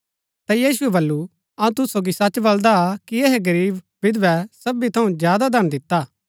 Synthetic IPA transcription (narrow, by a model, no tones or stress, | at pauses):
t̪ɐjiːsʊɛbɐlːu | ɐũt̪ʊsoːɡisɐt͡ʃːbɐld̪akieɦeɡɐɾiːb | bɪd̪ʋɛsɐbit̪ʰɐũzjaːd̪ad̪ʱɐñd̪ɪt̪ːaː